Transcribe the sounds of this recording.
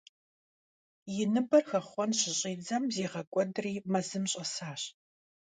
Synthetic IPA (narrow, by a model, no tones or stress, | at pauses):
jɪnɨbɐrxɐχʷɔnɕɪɕʼiːd͡zɐmzeːʁɐkʷʼɔdriːmɐzɨmɕʼɐsaːɕ